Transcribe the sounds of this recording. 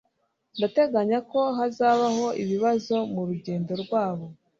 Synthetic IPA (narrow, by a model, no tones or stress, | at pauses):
ndate̞ɡaɲako̞ɦazaːβaho̞ʔiβiβazo̞muɾuɟe̞ːndo̞ɾɡwaːβo̞